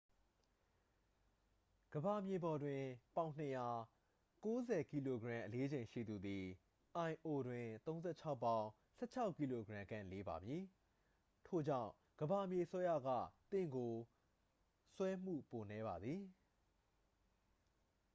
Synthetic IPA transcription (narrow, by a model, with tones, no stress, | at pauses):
ɡ̥əba˨mje˨bɔ˨dwɪ̃˨pã˨ʊ̃n̥ə˨ja˨ | ko˦zɛ˨ki˨lo˨ɡəɹã˨ʔəle˦d͡ʑẽ˨ɪ̃ʃḭ˦˨d̪u˨d̪i˨ | ʔã˨ɪ̃ʔo˨dwɪ̃˨t̪õ˦ʊ̃nzɛ˦˨t͡ɕʰa˦ʊpːã˦ʊ̃ | sɛ̰˦˨t͡ɕʰa˦ʊʔkːi˨lo˨ɡɹã˨kã̰˦˨le˦ba̰˨mji˨ | tʰo˦˨d͡ʑã̰˦˨ʊ̃ | ɡ̥əba˨mje˨əsɛ˦jä̰˦˨ɡä̰˦˨t̪ɪ̰̃˦˨ŋɡo˨ | swɛ˦m̥ṵ˦˨po˨nɛ˦ba˨d̪ði˨